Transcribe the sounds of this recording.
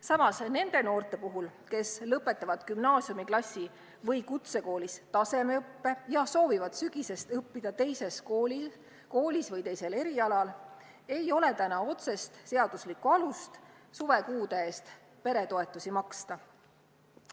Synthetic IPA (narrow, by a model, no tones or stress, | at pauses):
sɑmɑsne̞nd̪̥e̞no̞ːrt̪ˑe̞puɦulke̞slɤpːˑe̞t̪ːˑɑvɑd̪̥kymnɑːsiumiklɑsʲːi | vɤjkut̪se̞ko̞ːlist̪ɑse̞meɯpːe̞jɑso̞ːvivɑd̪̥syɡ̥ise̞st̪ɤpːid̪̥ɑt̪e̞jse̞skoːli | ko̞ːlʲisvɤjt̪e̞jse̞le̞ɾiɑlɑl | e̞jo̞le̞t̪ænɑo̞t̪se̞st̪se̞ɑd̪̥uslikːuɑlust̪suve̞kuːd̪eeːst̪ | pe̞ɾe̞t̪o̞e̞t̪ːˑusimɑkst̪ɑ